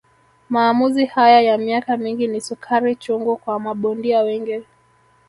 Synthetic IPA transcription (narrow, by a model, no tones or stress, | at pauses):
maːmuzihajajamiakamiŋɡinisukʰaɾit͡ʃɔŋɡɔkwamaɓɔndiawɛŋɡɛ